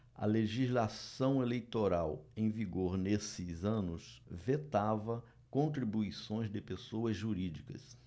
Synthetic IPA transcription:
ɐ̰leʒizlasɐ̃w̃elejt̪oɾawẽj̃viɡoɾnesɪzɐ̃nʊsvet̪avɐ | kõnt̪ɾibuisõj̃zd̪ɪpesoɐzʒuɾid͡ʒikɐ̰s

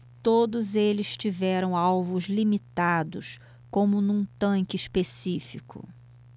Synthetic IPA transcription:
t̪od̪ʊzelɪst͡ʃivɛɾɐ̃w̃awvʊzlimit̪ad̪ʊs | kõmʊnũt̪ɐ̃ŋkɪiʃpesifikʊ̰

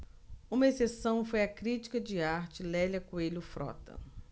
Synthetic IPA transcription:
ũmɐesesɐ̃w̃fojɐkɾit͡ʃi̥kɐd͡ʒɪaɾt͡ʃɪlɛlɐkwelʊfɾɔ̰t̪ɐ̰

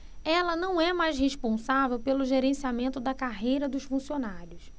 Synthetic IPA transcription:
ɛlɐnɐ̃w̃ɛmajsheʃpõsavewpelʊʒeɾẽsiamẽnt̪ʊd̪ɐkaɦejɾɐd̪ʊʃfũsionaɾjʊs

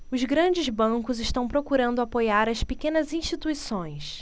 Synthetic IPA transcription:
ʊzɡɾɐ̃d͡ʒɪzbɐ̃ŋkʊzɪʃt̪ɐ̃w̃pɾokuɾɐ̃nd̪ʊapojaɾɐspekẽnɐzĩʃt͡ʃit̪uisõj̃s

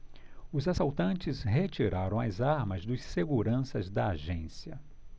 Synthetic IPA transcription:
ʊzasawt̪ɐ̃nt͡ʃɪzɦet͡ʃiɾaɾɐ̃w̃ɐzaɾmɐzd̪ʊsseɡuɾɐ̃sɐzd̪ɐaʒẽsiɐ

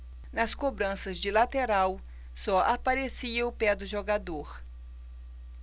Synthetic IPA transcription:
nɐskobɾɐ̃sɐzd͡ʒɪlat̪eɾaw | sɔʔapaɾesiɐʊpɛd̪ʊʒoɡad̪oɾ

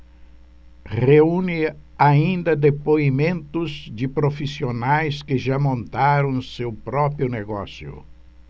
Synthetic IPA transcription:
ʁeũnɪaĩnd̪ɐd̪epoimẽnt̪ʊzd͡ʒɪpɾofisionajskɪʒamõnt̪aɾɐ̃w̃sewpɾɔpɾiʊneɡɔ̰sjʊ̰

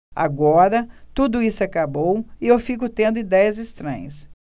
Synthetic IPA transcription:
a̰ɡɔɾɐt̪ud̪ʊisʊakabowɪewfikʊt̪ẽnd̪ʊid̪ɛjɐzɪst̪ɾɐ̰̃ɲ̃ɐs

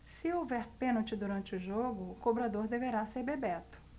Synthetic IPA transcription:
sɪowvɛɾpẽnowt͡ʃɪd̪uɾɐ̃nt͡ʃɪʊʒoɡʊːkobɾad̪oɾd̪eveɾaseɾbebɛt̪ʊ̥

